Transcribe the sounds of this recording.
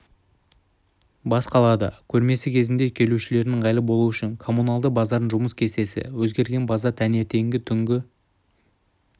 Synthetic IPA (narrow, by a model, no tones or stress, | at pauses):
bɑsqɑlˠɑd̪ə̰kʲʰɵɾme̞sɪkʲʰe̞zɪnd̪e̞kʲʰe̞luʃɪle̞ɾnɪŋʁɑjlˠəbo̞lˠuʏʃɪŋkʰo̞munɑlˠd̪əbɑzɑɾənʒʊməskʲʰe̞st̪e̞sɪ̰wɵzɡʲe̞ɾɡʲe̞nbɑzɑt̪ʰæne̞t̪e̞ŋɡʲɪt̪ʰʏŋɡʲɪ